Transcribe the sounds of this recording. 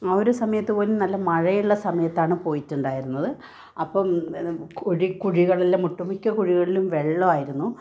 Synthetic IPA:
ɐoɾusɐmɐjɐt̪ːɨpo̞ːlenɐlːɐmɐɻɐjuɭːɐsɐmɐjɐt̪ːaːɳɨpo̞ːjitːuɳɖaːjiɾunːɐðɨ | ɐpːɐmkoɻikuɻiɣɐɭɐlːemuʈːumikʲːɐkuɻiɣɐɭilumʋeɭːoaːjiɾunːu

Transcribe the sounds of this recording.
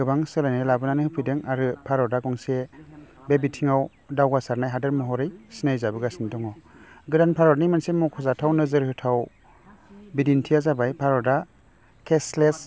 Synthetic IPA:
ɯbaŋsɯlajnajlabɯnanɯhɯpʰɯjdeŋaɾɯpʰaɾɔdakɔŋse | bebitʰiŋaw | dawɡasaɾnajɦadɯɾmɔɦɔɾɯjsinajzabɯɡasindɔŋɔɡɯdanpʰaɾɔɾnimansemɔkʰɔzatʰawnɯzɯɾhɯtʰaw | bidintʰijazabajpʰaɾɔda | kʰesles

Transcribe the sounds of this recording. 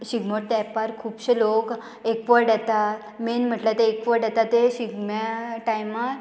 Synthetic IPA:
ɕiɡmoʈ̚t̪ɛpaɾkʰuːbɕelok | ekʋəɾɖjɛt̪at̪ | menm̤əʈlat̪eːkʋəɾɖɛt̪at̪ːeɕiɡmaʈajmaɾ

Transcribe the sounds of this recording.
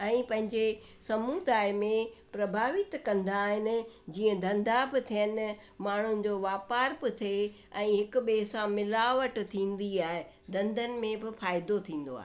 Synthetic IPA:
ɛ̃ːpɐ̃ɦɪ̃ɲd͡ʑesɐmuːd̪aːɪmẽpɾɐbʱaːʋɪt̪kɐ̃nd̪aːɦɪnɪ̆d͡ʑiːə̃d̪ɐ̃nd̪ʱabɪt̪ʰijənɪ̆ | maːɳ̤ŭd͡ʑoːʋaːpaːɾbɪt̪ʰe | ɛ̃ːɦɪkʊɓeːsãmɪlaːʋəʈt̪ʰĩːn̆d̪iaːɦed̪ɐ̃nd̪ʱənɪ̆mẽbɪfaːɪd̪ot̪ʰĩːn̆d̪o̰a̰ːɦe

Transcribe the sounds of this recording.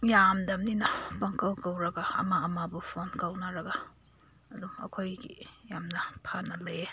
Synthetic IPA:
jamdɐmninɐpɐŋkawkawɾɐɡaɐ̰maɐmabupʰonkawnaɾɐɡa | ɐduɐ̰kʰojɡḭjamnɐpʰanɐle

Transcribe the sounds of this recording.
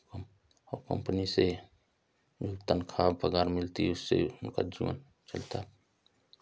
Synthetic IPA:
əkə̰mpənise | jukt̪ənkʰabpəɡaɾmilt̪iusːḛunka̰d͡ʒṵə̰n | t͡ʃəlt̪ʰab

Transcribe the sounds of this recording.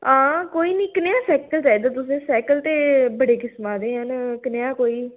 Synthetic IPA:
ãːkoːiːniːkəneaːsɛːkəlt͡ʃaːid̪aːt̪̬ʊs̬ẽːsɛːkəlt̪eːbəɽeːkɪsmãːd̪ẽːɦənkəneãːkoːiː

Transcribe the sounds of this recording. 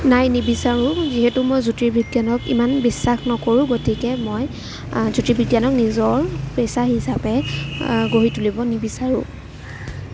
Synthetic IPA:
najnibisaɹʊ̃ziɦɛtʊmojzutɹibʱiɡjanɔkḭmanbisːaxnɔkoɹʊ̃ɡotʰikɛmoj | zutɹibʱiɡjanɔknizɔɹpesaɦisapɛ | ɡoɦitulibɔnibisaɹʊ̰̃

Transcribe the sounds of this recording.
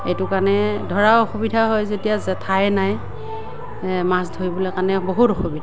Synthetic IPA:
ejtʊkanɛdʱɔɹaoxubidʱaɦɔjzodijazɛtʰajnaj | masdʱoibɔlɛkanɛboɦutɔxubidʱa

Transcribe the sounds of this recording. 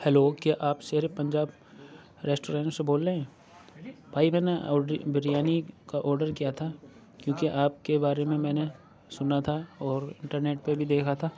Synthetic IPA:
hɛloːkiʔaːpseːɾepɐ̃ɲd͡ʒaːb | ɾeːsʈoːɾɛ̃ːɳʈseboːlːeɦɛ̃ː | baːimɛ̃ːneɔibɪɾijaːnikaʔɔːɾɖəɾkijat̪ʰa | kjõːkiʔaːp̚kebaːɾemẽmɛ̃ːne | sʊnat̪ʰaɔːɾɪ̰̃ɳʈəɾneːʈ̚pebʱid̪eːkʰat̪ʰaː

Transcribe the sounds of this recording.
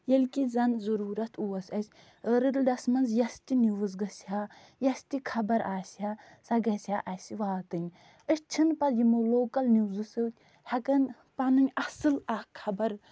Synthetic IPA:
jɐlʲkizɐnzɐɾuːɾɐt̪ʰuːɐsʲɐsʲ | ɾɨd̪ldɐsmɐnzjɐst̪ʲinuwɨzɡɐsha | jɐst̪ikʰɐbɐɾaːsa | sɐɡɐsʲhaʔɐsiʋaːt̪ɨnʲ | ɨʃt͡ʃʰɨnpɐljimoloːkɐlnuwzɨsɨwt̪ʲ | hɐkɐn | pɐnɨnʲɐsɨlakʰːɐbɐɾ

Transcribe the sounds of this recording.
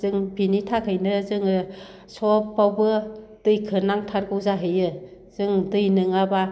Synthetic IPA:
zɯŋbinitʰakʰɯjnɯzɯŋɯ | sɔpːawbɯd̥ɯjkʰɯnaŋtʰaɾɡɯwzaɦɯjɯ | z̥ɯŋdɯjnɯŋaba

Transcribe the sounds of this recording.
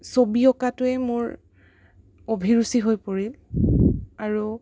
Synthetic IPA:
sobiɔkatʊɛmʊɹ | obʱiɹusiɦojpoɹil | aɹu

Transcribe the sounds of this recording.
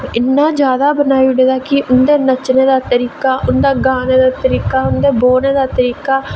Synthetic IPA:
ɪnːaːd͡ʒjaːd̪aːbənaːiɽeːd̪aːkɪʔʊnd̪eːnət͡ʃneːd̪aːt̪əɾiːkaːʔʊnd̪aːɡãːneːd̪aːt̪əɾiːkaːʊnd̪eːboːneːd̪aːt̪əɾiːkaː

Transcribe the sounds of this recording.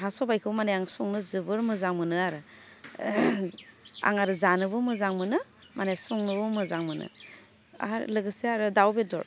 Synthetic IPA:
ɦasɔbajkʰɯmanejaŋsɔŋnɯzɯbɯɾmɯzaŋmɯnɯaɾɯ | a̰ŋaɾɯzanɯbɯmɯzaŋmɯnɯmanesɔŋnɯbɯmɯzaŋmɯnɯ̰ | a̰lɯɡɯseaɾɯdawbedɔ̰ɾ

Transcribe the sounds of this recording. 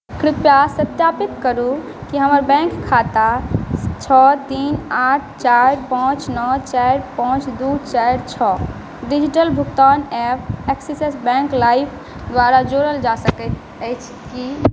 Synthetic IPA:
kɾipjasət̪japit̪kəɾu | kiɦəməɾbɛ̃ŋkʰːat̪a | t͡ʃʰɔt̪inaʈʰt͡ʃaɾpãt͡ʃnɔt͡ʃaɾpãt͡ʃd̪ut͡ʃajɾt͡ʃʰɔ | ɖid͡ʒiʈəlbʱukt̪anepʰeksisesbɛ̃ŋklaipʰ | d̪waɾad͡ʒoɾəld͡ʒasəkɛt̪ʰ | əjt͡ʃʰ | ki

